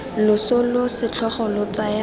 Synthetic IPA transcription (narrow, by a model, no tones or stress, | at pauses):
lʊsʊlʊsɪt͡ɬʰɔχɔlɔt͡saja